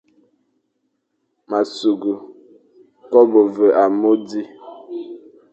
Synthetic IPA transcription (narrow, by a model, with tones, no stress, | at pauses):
ma˨su˨ɡu˨ | kɔ˦bo˨və˨ʔa˨mo˦di˦